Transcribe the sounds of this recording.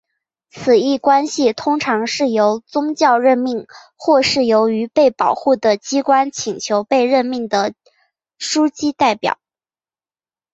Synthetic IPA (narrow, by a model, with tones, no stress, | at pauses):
t͡sʰɹ̩˨˩i˥˩kwa˥nɕi˨t̪ʰʊ˥ŋʈ͡ʂʰɑ˧˥ŋʂɻ̩˥˩jo˧˥ʊt͡sʊ˥ŋt͡ɕjɑ˥˧ʊɻə˥˧nmi˥˩ŋ | xwɔ˥˧ʂɻ̩˥˩jo˧˥ʊy˧˥pe˥˩ɪpɑ˨˩ʊxu˥˩d̪ə˩t͡ɕi˥kwa˥nt͡ɕʰi˨˩ŋt͡ɕʰjo˧˥ʊpe˥˧ɪɻə˥˧nmi˥˩ŋd̪ə˩ | ʂu˥t͡ɕi˥t̪a˥˩ɪpjɑ̰˨˩˦ʊ